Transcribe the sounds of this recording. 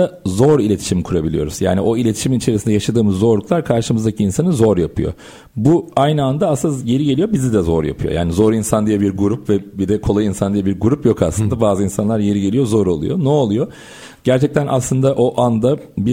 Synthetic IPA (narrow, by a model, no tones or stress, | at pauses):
azo̞ɾilʲet̪ʰi̥ʃimkʰuɾabilʲijo̞ɾuz̥ja̰ːniʔo̞ilʲe̞t̪ʰi̥ʃiminit͡ʃʰe̞ɾisind̪ɛjaʃad̪ɯːmɯzːo̞ɾlˠuklˠaɾkʰaɾʃɯmɯzd̪acʰiːnsanɯzo̞ɾjapʰɯjo̞̰ | buajnɯand̪aːszɟe̞ɾiɟelʲijo̞bizid̪ɛzo̞ɾja̰pʰɯjoja̰ːnizo̞ɾinsand̪ijabiɾɡuɾupvɛbid̪ɛkʰo̞lˠajinsand̪ijabiɾɡuɾupjo̞kaslˠɯnd̪abaːzɯinsanlˠaɾje̞ɾiɟe̞lʲijo̞zoɾo̞̰lˠṵjo̞̰nɛolˠujo̞ | ɟæɾt͡ʃʰɛc̚t̪ʰænʔa̰slˠɯnd̪aʔo̞ʔand̪a | bi